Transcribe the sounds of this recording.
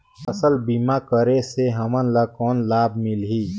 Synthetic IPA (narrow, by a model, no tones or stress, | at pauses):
əsəlbimakəɾeseɦəmənləkɔːnlaːb̚mɪlɦiː